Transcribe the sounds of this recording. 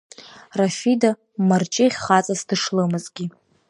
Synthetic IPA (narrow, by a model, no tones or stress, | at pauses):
rafida | mart͡ʃʼɪʁʲχat͡sʼasdɨʂlɨmɨzɡʲi